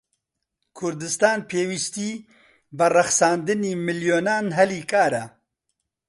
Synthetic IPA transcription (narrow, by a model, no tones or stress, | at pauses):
kʰʊɾd̪ɨst̪aːnpʰeːwist̪iː | bɨrɐxsaːnd̪ɨniːmɨljoːnaːnɦɛliːkaːɾɛ